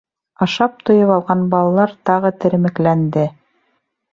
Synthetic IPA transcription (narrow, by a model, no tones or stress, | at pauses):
ɑʃɑp̚t̪ŏjɤβɑlˠʁɑnbɑlˠɑlˠɑɾt̪ɑʁɤt̪ɘ̆ɾɘ̆mɘ̆klænd̪ɘ